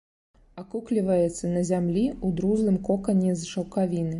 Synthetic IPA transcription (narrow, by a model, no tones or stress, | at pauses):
akuklʲivɐjɛt̪sːɐnɐzʲamlʲiud̪ɾuzlˠɨmkɔkɐnʲːɛzʂɐwkavʲinɨ